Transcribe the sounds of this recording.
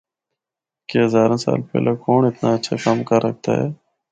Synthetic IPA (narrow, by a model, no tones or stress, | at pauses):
keɦəzaːɾãːsa̰ːlpɛ̰ːlʔeːkoːɳɪt̪naːətːʃʰaːkamkəɾːək̚ʰt̪a̰ːɦɛ̰ː